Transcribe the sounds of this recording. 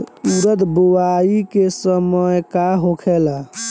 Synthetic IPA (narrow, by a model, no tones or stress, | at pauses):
uɾəd̪buwaikesəməjkaɦokʰɛla